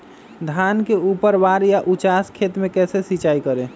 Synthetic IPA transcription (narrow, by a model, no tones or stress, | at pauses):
d̪ʱankeupəɾbaɾjaʔut͡ʃaskʰet̪mẽkɛːsesit͡ʃaikəɾẽ